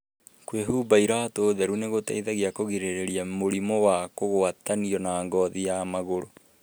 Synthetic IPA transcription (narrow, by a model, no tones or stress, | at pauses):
kweɦuːbaiɾatoːðɛɾuneɣota̰iðaɣeakoɣeɾeɾeɾiamoɾimɔwakoɣoataniɔnaːŋɡɔːðijamaɣoɾo